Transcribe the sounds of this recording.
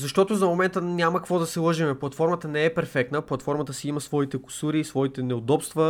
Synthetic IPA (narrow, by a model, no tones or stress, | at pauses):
zɐʃt̪ɔt̪ʊzɐmomɛnt̪ənʲaməkɐkvɔd̪ɐsɛlˠɤʒimɛplˠɐt̪fɔɾmət̪ənɛɛpɛɾfɛk̚t̪nəplˠɐt̪fɔɾmət̪əsɛimɐsvɔit̪ɛkʊ̥suɾiːsvɔit̪ɛnɛod̪ɔpst̪və